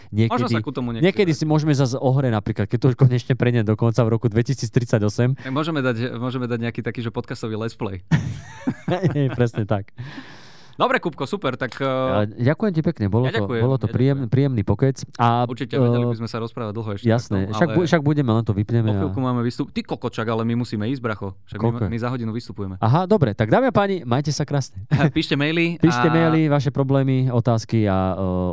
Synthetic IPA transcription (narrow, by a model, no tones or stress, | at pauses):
ɲɪɛkmɔʒdikut̪ɔmuɲɛɲɪɛkɛd̪isimʊɔʒɛmɛzazɔɦɾɛɟnapɾiːklat̪̚kɛc̚t̪ɔuʃkɔɲɛt͡ʃɲɛpɾɛɲɛd̪ɔkɔnt͡savɾɔkud̪ʋɛcisiːt͡st̪ɾit͡saɟɔsɛmaɡmʊɔʒɛmɛd̪acmʊɔʒɛmɛd̪aɟɲɛakit̪akiːʒɛpɔt̪̚kast̪ɔʋiːlɛsplɛ̰j | ɛpɾɛsɲɛt̪ak | d̪ɔbɾɛkup̚kɔsupɛɾt̪akːaɟakujɛmcipɛkɲɛbɔlɔaɔjbɔlɔt̪ɔpɾiːɛmpɾiːjɛmniːpɔkɾɛt͡sauɾt͡ʃicɛɛaibizmɛsaɾɔspɾaːʋaɟ̚d̪l̩ˠɦɔɛʃjɛasnɛaɡuʃaɡ̚buɟɛmɛlɛnt̪ɔʋipɲɛmɛalkumaːmɛʋist̪upt̪ikɔkɔʃaɡalɛmimusiːmɛiːzbɾaxɔʃaɡkɔlɔmizaɦɔɟinuʋist̪u̥pujɛmɛaɦad̪ɔbɾɛt̪aɡd̪aːmiapaːɲimajcɛsakɾaːsɲɛpiːʃcɛmɛjlipiːʃcɛmɛjliʋaʃɛpɾɔblɛːmiɔt̪aːskia